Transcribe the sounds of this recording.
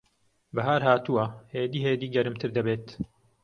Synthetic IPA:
bɐɦaːɾhaːt̪uwɐheːd̪iːɦeːd̪iːɡɐɾɨmt̪ʰɨɾd̪ɐbeːt̪

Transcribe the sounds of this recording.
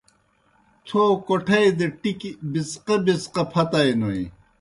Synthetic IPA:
t̪ʰoːkoʈʰɐjd̪eʈikibisqebisqɐpʰɐt̪ɐjnoi

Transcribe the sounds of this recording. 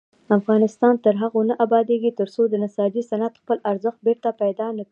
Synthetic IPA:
afɣɑnɪst̪ɑnt̪əɾɦaɣonəʔabɑd̪eɡit̪əɾsod̪ənasɑd͡ʒisanat̪xpəlaɾzəxt̪̚beɾt̪apajd̪ɑnək

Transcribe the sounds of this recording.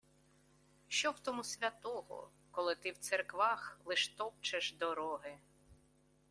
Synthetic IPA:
ʃt͡ʃɔwt̪ɔmusʲʋʲɐt̪ɔɦɔ̰ | kɔlˠɪt̪ɪwt̪sɛrkʋɑxlˠɪʃt̪ɔp̚t͡ʃɪʃd̪ɔɾɔɦɪ

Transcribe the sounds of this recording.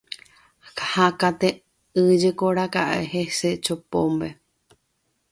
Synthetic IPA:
kahakat̪e | ɨd͡ʒekoɾakaʔeheset͡ʃopõ̰mbe

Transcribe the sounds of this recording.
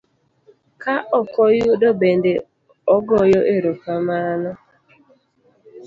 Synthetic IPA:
kaʔɔkɔjʊdobende | ɔɡɔjɔʔeɾokamanʊ

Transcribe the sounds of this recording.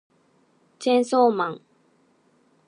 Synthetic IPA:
t͡ɕʰjɛnsɔmaŋ

